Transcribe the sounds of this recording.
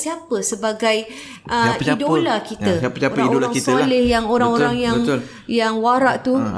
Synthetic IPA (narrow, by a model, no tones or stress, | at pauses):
siapəsəbaɡaj | ʔəidolakitəapəsaoɾaŋolaaŋitsəalɪhjaŋoɾaŋoɾaŋjaəŋt̪ | jaŋwaɾaʔt̪u